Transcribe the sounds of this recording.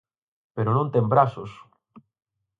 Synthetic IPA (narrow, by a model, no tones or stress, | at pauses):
peɾonõnt̪ẽmbɾasos